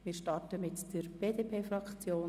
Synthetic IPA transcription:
mɪːɾʃtɑɹtəmɪtd̥əɾb̥eːdeːpʰeːfɾɑkt͡sjoː

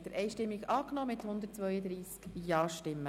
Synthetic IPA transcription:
d̥̪əɾʔɛjʃtɪmːiɡɑːknɔːmɪt̪hʊnd̪əɾtt͡sʋœʏəd̪ɾiːskjɑːʃtɪmːə

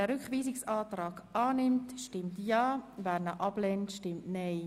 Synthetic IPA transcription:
ɛɾʏkχʋiːsɪksɑːtɾɑːɡ̥ɑːnɪmtʃtɪmtjɑːvæːɾnəʔɑb̥lɛntʃtɪmtnɛɪ

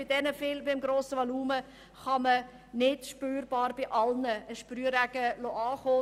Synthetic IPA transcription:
b̥ɪd̥ɛnəfɪlbɪmɡɾoːsəʋoluːmə | χɑmə | nɪdʃpøːɾb̥ɑːɾb̥ɪʔɑlnəəʃpɾyəɾæɡəloɑːχoː

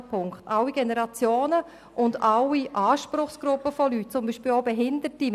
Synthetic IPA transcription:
pʰʊŋkχtawiɡɛnəɾɑt͡sjoːnə | ʔʊndaʊwiʔaːʃpɾʊχsɡ̥ɾʊpːəfɔlyt̚t͡sʊmbiːʃpiːlobɛɦɪndəti

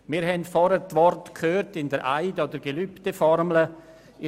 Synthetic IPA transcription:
mɪːɾɦɛndfɔɾətʋɔrtkʰhøːrtɪndəɾʔaɪdɔdəɾɡelyptəfɔɾmlə

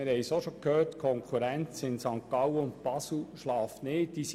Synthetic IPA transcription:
ɪɾhɛjsoʃokʰhøːtkʰɔŋkʰuɾænt͡sɪnsɑŋkːɑwəʊnt̚pɑsl̩ʃlɑːfneːt̚d̥is

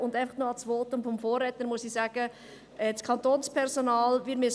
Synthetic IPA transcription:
ʊndæɪfɑχtnoɑsʋoːtʊmfɔmfoːrːɛt̪ənmuəsisæːɡ̥ə | ɛskʰɑntoːnspʰɛɾsonɑːlʋɪɾtmi

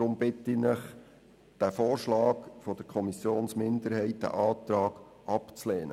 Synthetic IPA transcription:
ɾʊmbɪt̪inəχ | d̥æfoːrʃlɑːkfɔd̥̪əɾkʰɔmisjoːnsmɪndəɾhɛɪt̚d̥æ̰ʔɑːt̪ɾɑːɡ̥ | ʔɑpt͡sleːnə

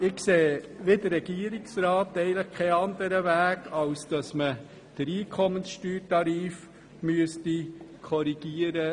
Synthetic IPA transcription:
ɪkseːʋɪdəɾɾɛɡ̥iəɾiksɾɑːtɛɪɡələχkʰɛɑnd̪əɾəʋæːɡɑlsd̥ɑsmə | d̥əɾiːkʰɔmənsʃtyːɾtɑɾiːf | myəstikʰɔɾiɡ̥iəɾə

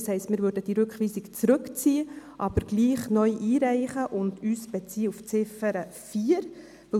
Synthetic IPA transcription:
shɛɪstmɪːɾvøɾdəd̥iɾɵkχʋiːsɪkt͡sɾɵkt͡siːəʔɑb̥əɾɡ̥liːχnœʏʔiːɾæɪχəʔʊndyːsb̥ɛt͡siːəuft͡sɪfəɾəfiːəɾ | vɵ

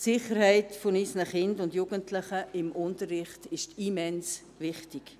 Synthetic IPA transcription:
sɪχəɾhɛɪtfʊniːsnəχɪndʊndjuːɡ̥əntʰlɪχəɪmʊntəɾːɪχtɪʃtimɛns | ʋɪχtɪk

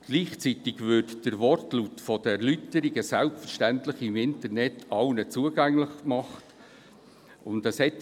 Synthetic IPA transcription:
ɡ̥liːχt͡sitɪɡvʏɾtd̥əɾʋɔrtlutfɔd̥əɛɾlytəɾiɡəsælpfəɾʃtæntləχɪmɪntəɾnɛtʰɑlnət͡suəɡæŋləχmɑχt | ʊndəshɛt

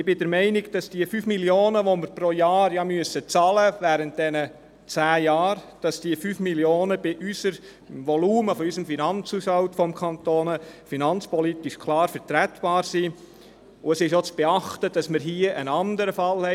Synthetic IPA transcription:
ɪb̥ɪdɛɾmɛɪnɪɡd̥ɑsd̥iəfyːfmiljoːnəʋoməɾpɾojɑːɾjɑmyəsət͡sɑləʋæːɾənt̚d̥ɛnə | t͡sæːjɑːɾd̥ɑsd̥iəfyːfmiljoːnəb̥ɪʔysəɾ | ʋɔluːməfɔysəmfinɑnt͡suːsɑwtfɔmkʰɑnt̪oːnəfinɑnt͡spɔlit̪iʃkʰlɑːɾfəɾtɾætb̥ɑːɾsi | ʊəsɪʃjot͡sb̥ɛɑχtəd̥ɑsməɾɦiəʔənɑndəɾəfɑlhɛ

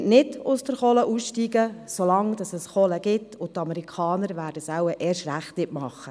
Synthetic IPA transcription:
ʔnɪdʊsd̥əɾχɔləʔuːsʃtiːɡəsolɑŋd̥ɑsɛsχɔləɡ̥ɪtʊtɑmɛɾikʰɑːnəɾʋæːd̥əsawəʔɛːʃtɾæχtnɪtmɑχːə

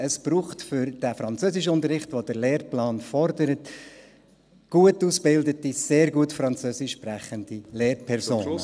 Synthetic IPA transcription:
əsb̥ɾuːχtfʏɾd̥æfɾɑnt͡søːsɪʃ̬ʊntəɾɪχtʋod̥əɾleːɾplɑːnfɔɾdəɾət | ɡ̥uətusbɪldətiseːɾɡuətfɾɑnt͡søːsɪʃpræχəndileːɾpʰɛɾsoːn

